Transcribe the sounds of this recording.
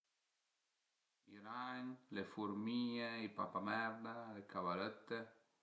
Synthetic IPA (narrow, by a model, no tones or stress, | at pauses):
iɾaɲlefuɾmiɲeipapamɛɾnaekʰaβalet̪ːe